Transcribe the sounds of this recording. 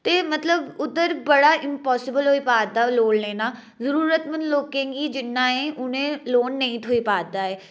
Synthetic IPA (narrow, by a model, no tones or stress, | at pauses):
t̪eːmət̪ləbʊd̪əɾbəɽaːʔɪmpɔːsɪbəlɦoːiːpaːd̪aːloːnleːnaː | zəɾuːɾət̪mənloːkẽːɡiːd͡ʒɪnːãːẽːʔʊnẽːloːnːəĩːt̪ʰoːipaːd̪aːɛː